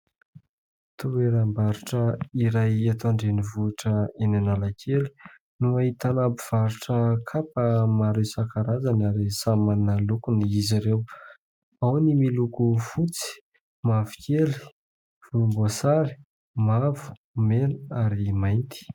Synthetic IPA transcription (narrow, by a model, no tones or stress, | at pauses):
t̪ueɾambaɾuʈ͡ʂəiɾajat̪oaɳɖ͡ʐenivuaʈ͡ʂəenanalakʰeli̥ | nuait̪anabiv̥aɾuʈ͡ʂəkʰapəmaɾewsakaɾazanaɾisamanalukuniiziɾew | awnimilukufut͡si̥ | mavi̥kʰeli̥ | v̥ulumbosaɾi̥ | mavu̥ | menaɾimajnt̪i̥